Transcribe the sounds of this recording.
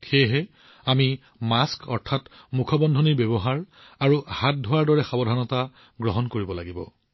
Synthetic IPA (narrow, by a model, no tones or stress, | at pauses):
xeɦɛ | ami | maskɔɹtʰatmukʰɔbɔndʱɔniɹbɛbɔɦaɹ | aɹuhat̚dʱɔwaɹdɔɹɛxabɔdʱanɔta | ɡɹɔɦɔnkoɹibɔla̰ɡibɔ̰